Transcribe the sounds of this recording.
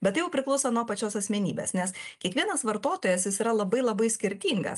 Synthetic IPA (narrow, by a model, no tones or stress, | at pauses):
bʲɛt̪jɛʊpʲɾʲɪklˠɐʊsɐnuɔpɐt͡ʃʲoːsɐsʲmʲɛnʲiːbʲḛːsnʲɛskʲiɛkʋʲiɛnɐsʋɐɾt̪oːt̪oːjɛsjɪsiːɾɐlˠɐbɐɪlˠɐbɐɪsʲkʲɪɾʲt̪ʲiːŋɡɐ̰s